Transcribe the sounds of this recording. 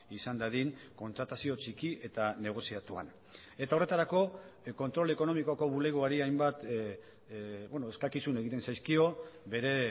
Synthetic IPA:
isand̪aðiŋko̞nt̪ɾat̪asio̞t͡ʃikiʔe̞t̪ane̞ɣ̞o̞siat̪ua̰n | e̞t̪ao̞re̞t̪aɾako̞ko̞nt̪ɾo̞le̞ko̞no̞mikoko̞βule̞ɣ̞oaɾiajmbat̪ | bwenoeskakisune̞ɣit̪e̞nsajskio̞be̞ɾe̞

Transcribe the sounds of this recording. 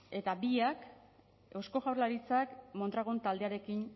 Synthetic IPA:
e̞t̪abiak | o̞sko̞ɣawrlaɾit͡sakmont̪ɾaɣont̪ald̪e̞aɾe̞kin

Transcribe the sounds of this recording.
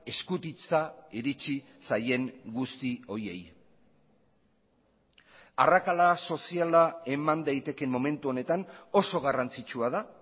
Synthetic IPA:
e̞skut̪it͡saiɾit͡ʃi | saje̞ŋɡust̪io̞ɾie̞̰j | arakalaso̞sialae̞mand̪ajt̪e̞ke̞mːo̞me̞nt̪uo̞ne̞t̪ano̞so̞ɣarant͡sit͡ʃuaða

